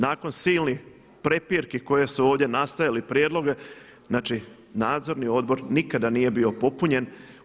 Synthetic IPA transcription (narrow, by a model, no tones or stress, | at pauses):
naːko̞nsiːlni | pɾe̞piɾkiko̞je̞suo̞ːʋd̪je̞nast̪ajalipɾjeːd̪lo̞ɡe | znaːt͡ʃi | naːd̪zo̞ɾnio̞d̪̚bo̞ɾnikad̪anije̞bio̞po̞puɲe̞n